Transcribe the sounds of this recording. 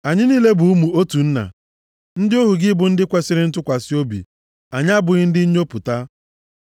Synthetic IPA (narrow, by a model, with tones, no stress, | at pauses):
a˨ɲɪ˦niː˦le˦bu˨u˦mu˨o˦tu˨n̩˦na̰˨ | n̩˦dɪ˦o˦ɦu˨ɡɪ˦bʊ˨n̩˦dɪ˦kʷe˦sɪ˦ɾɪ˦n̩˦tʊ˦kʷa˨sɪ˦o˦bḭ˨ | a˨ɲ˦a˦bʊ˨ɣɪ˦n̩˦dɪ˦ɲ̩˦ɲo˦pʊ˨ta˦